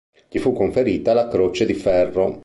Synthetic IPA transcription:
ʎifukːoɱfeɾiːt̪alakɾot͡ʃed̪ifɛrːo

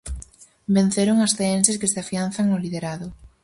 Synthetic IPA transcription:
ben̟θeɾoŋasθeenseskeseafian̟θaŋolið̞eɾaðo

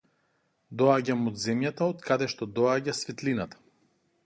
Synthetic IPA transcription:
d̪ɔaɟamod̪zɛmjat̪aot̪kad̪ɛʃt̪ɔd̪ɔaɟasvit̪linat̪ḁ

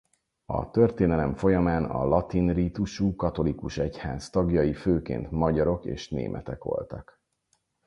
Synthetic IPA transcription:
ɒ̰t̪ø̞rt̪eːnɛlɛɱfo̞jɒmaːnɒ̰lɒt̪inriːt̪uʃuːkɒt̪o̞likuʃɛchaːst̪ɒɡjɒjiføːkḛːnt̪mɒɟɒɾo̞kḛːʃnḛːmʔɛ̰t̪ɛkʋo̞̰lt̪ɒk

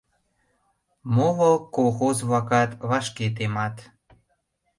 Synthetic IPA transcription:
molokolˠxozβɑkɑt̪βɑʃket̪̬emɑt̪

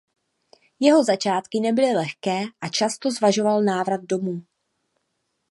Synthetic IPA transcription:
jɛɦo̞zat͡ʃaːt̪kɪnɛbɪlɪlɛxkɛːʔat͡ʃast̪o̞zvaʒo̞valnaːvɾad̪̚do̞muː

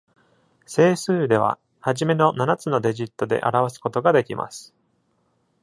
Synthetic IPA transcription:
se̞ːsɨːd̪e̞β̞a̰ | haʑime̞no̞nanat͡sɨno̞d̪e̞ʑit̪ːo̞d̪e̞̰ʔa̰ɾaβ̞asɨ̥ko̞t̪o̞ɡad̪e̞kʲimʔa̰sɨ̥

